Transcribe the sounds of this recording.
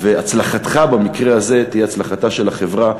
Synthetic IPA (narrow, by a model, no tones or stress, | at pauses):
veat͡slaχat̪χabamikʁe̞aze̞t̪ijeat͡slaχat̪aʃe̞laχe̞vʁa